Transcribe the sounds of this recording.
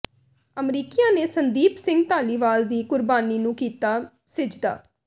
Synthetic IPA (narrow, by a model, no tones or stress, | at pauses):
əmɾiːkijãːneːsənd̪iːpsɪ̃ŋɡ̚t̪aːliːʋaːld̪iːkʊɾbaːniːnũːkiːt̪aː | sɪd͡ʒd̪a̰ː